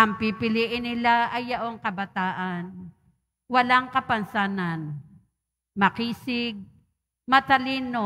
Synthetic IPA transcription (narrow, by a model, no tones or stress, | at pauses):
ɐmpipɪliːʔɪnːɪlaʔɐjːɐʔoŋkɐbɐt̪aːʔan | wɐlaŋkɐpɐnsaːnan | mɐkiːsɪɡ̚ | mɐt̪ɐliːno